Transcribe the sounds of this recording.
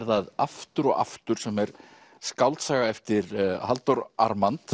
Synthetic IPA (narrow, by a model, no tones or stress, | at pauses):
ɾθaðaft̪ʏɾɔɣa̰ft̪ʏɾ̥sɛmɛɾ | skawlt̪saɣaɛft̪ɪɾɦalt̪ɔɾa̰ɾmant̪